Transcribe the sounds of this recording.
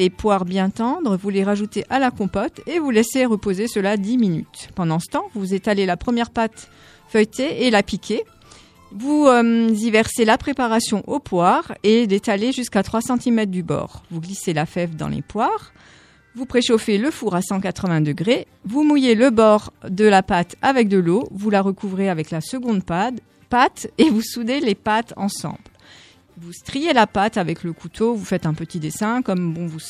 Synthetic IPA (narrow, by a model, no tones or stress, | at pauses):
lepwaʁbjɛ̃t̪ɑ̃d̪ʁvuleʁaʒut̪eʔalakɔ̃pɔt̪evulɛseʁəpozesəlad̪iminy̰t̪pɑ̃d̪ɑ̃sə̥t̪ɑ̃vuzet̪alelapχəmjɛʁpat̪ | fœjt̪eːlapikʲʰe | vumzivɛʁselapχepaʁasjɔ̃ʔopwaʁed̪et̪aleʒyskat̪χwasɑ̃t̪imɛt̪χd̪ybɔ̰ʁvuɡliselafɛfd̪ɑ̰̃lḛpwaʁ | vupχeʃofeləfuʁasɑ̃kat̪χəvɛ̃d̪əɡʁe | vumujeləbɔʁd̪əlapat̪avɛk̚d̪əlovulaʁəkuvʁeavɛklasəɡɔ̃d̪pad̪ | pat̪evusud̪elepat̪ɑ̰̃sɑ̰̃bl | vust̪χijelapat̪avɛkləkʰut̪ʰovufɛt̪ɛ̃pət̪id̪esɛ̃kɔmbɔ̃vu